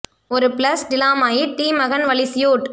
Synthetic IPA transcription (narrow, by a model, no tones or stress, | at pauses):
ɔɾɯpɪlɐsɖɪlaːmaːjiʈiːmɐɣɐnʋɐɭɪsɪjoːʈ